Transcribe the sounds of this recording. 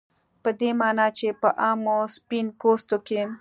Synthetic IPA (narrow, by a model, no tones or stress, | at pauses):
pəd̪emɑːnɑt͡ʃepəʔɑːmospinpost̪oke